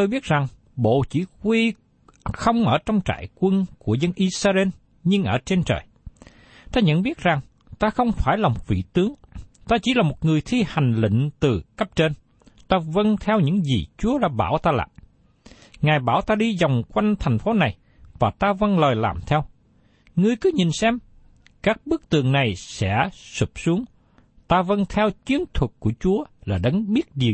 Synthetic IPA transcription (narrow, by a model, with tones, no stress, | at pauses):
t̪o˧jɓi˦˥t̚za˨˩ŋ | ɓo̰˧˨t͡ɕḭ˧˩kwi˧ | xə˧wŋ͡mʔəː˧˩t͡ɕɔ˧wŋ͡mt͡ɕa̰ː˧˨jkwə˧nku˧˩əzə˧nʔi˧saː˧ze˧n | ɲɨ˧ŋʔəː˧˩t͡ɕe˧nt͡ɕə̰ː˨˩j | t̪aː˧ɲə̰˧˨nɓi˦˥ət̚za˨˩ŋ | t̪aː˧xə˧wŋ͡mfaː˧˩jlaː˨˩mo˨˩t̚vḭ˧˨t̪ɨ˨˦əŋt̪aː˧t͡ɕi˧˩laː˨˩mo˨˩t̚ŋɨ˨˩əjt̪ʰi˧ha˨˩jŋ̟lḭ˧˨ŋ̟t̪ɨ˨˩kə˦˥p̚t͡ɕe˧n | t̪aː˧və˧nt̪ʰɛ˧wɲɨ̰˧˥ŋzḭ˨˩t͡ɕu˨˦əɗa̰ː˧ɓa̰ː˧˩wt̪aː˧la̰ː˨˩ | ŋaː˨˩jɓaː˧˩wt̪aː˧ɗi˧zɔ˨˩wŋ͡mkwa˧jŋ̟t̪ʰa˨˩jŋ̟fo˨˦na˨˩j | vaː˨˩t̪aː˧və˧nləː˨˩jla̰ː˨˩mt̪ʰɛ˧w | ŋɨ˧əjkɨ˨˦ɲi˨˩nsɛ˧m | kaː˦˥k̚ɓɨ˦˥ək̚t̪ɨ̰˨əŋna˨˩jsɛ̰˧˥su˨˩p̚su˨˦əŋ | t̪aː˧və˧nt̪ʰɛ˧wt͡ɕi˨˦ənt̪ʰwə˨˩t̚ku˧˩ət͡ɕu˨˦əlaː˨˩ɗə˨˦ŋɓi˦˥ət̚ɗi˨˩